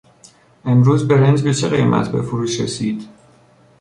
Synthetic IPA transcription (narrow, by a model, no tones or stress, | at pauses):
emɾuːzbe̞ɾend͡ʒbet͡ʃʰeɣejmʔæ̰t̪ʰbe̞foɾuːʃɾḛsiːd̪̥